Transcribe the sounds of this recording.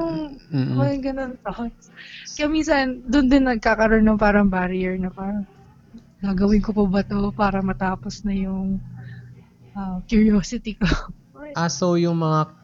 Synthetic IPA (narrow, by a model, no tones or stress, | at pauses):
nʊŋɛŋɡɐnont̪ot̪skɐmisɐnd̪ʊnd̪ɪnːɐɡ̚kaːkɐɾonːoŋpaːɾɐŋbaːɾɪjɛɹnɐpaɾɐ | ɡaːɡɐwɪnkopobɐt̪o̞paːɾɐmɐt̪aːposnɐjʊŋ | ʔɐmkjʊɹjoːsɪt̪iko | ʔasojʊŋmɐŋa